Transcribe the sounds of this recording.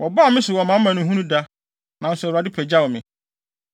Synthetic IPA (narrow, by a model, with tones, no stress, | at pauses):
wʔɔ˨baː˦˨mɪ̃˦sʊ˨wɔ˨mã˨˦m̩˦mã˨nʊ̃˦ɦũ˦nũ˦da˦ | nã˨n˨sɛ˨a˨dɪ˦pʰɛ˨d͡ʑa˦wɔ˨mɪ̃˨